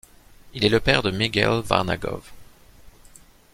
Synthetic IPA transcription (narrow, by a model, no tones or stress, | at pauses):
ilɛləpɛʁd̪əmiɡɛ̰lva̰ʁna̰ɡɔ̰v